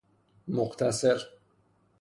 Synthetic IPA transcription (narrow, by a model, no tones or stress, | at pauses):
moqt̪ʰaseɾ